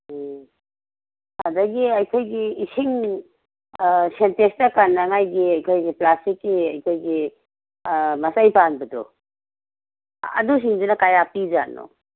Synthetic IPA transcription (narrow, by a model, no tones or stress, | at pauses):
hadaɡiɐjkʰojɡiːsiŋ | sentestakanːɐŋajɡiɐjkʰojɡiplastikːiɐjkʰojɡi | mɐsajpanbɐdɔ̰ | ɐ̰dus̬iŋdunɐkajapid͡ʒa̰nɔ̰